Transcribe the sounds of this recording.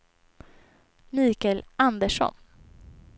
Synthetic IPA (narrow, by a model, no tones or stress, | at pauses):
miːkɛland̪əʂɔ̰n